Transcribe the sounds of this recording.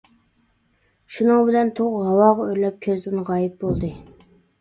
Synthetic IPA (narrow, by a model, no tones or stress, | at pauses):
ʃunɨŋbɪlɛnt̪ʰoʁɦɑwɑːʁɑøɾlɛp̚kʲʰøzd̪ɪnʁɑːjip̚bolˠd̪ɨ